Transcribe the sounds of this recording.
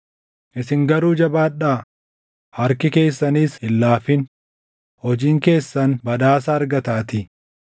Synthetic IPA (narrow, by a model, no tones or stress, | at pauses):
ʔɪsɪŋɡɐɾuːd͡ʒɐbaːᶑaː | hɐɾkɪke̞ːsːɐniːshɪlːaːfɪn | hɔd͡ʒiːŋke̞ːsːɐnbɐd̪aːsaːɾɡɐt̪aːt̪ɪ